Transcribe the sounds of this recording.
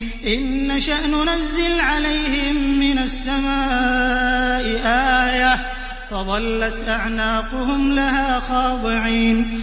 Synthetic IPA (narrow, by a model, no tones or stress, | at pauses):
ʔɪnːaʃaʔnʊnazːɪlʕalajhɪmːɪnasːamaː | ʔɪʔaːja | fɑðˤɑlːat̪ʔaʕnaːqʊɦʊmlaɦaːxɑːd̪ˤɨʕiːn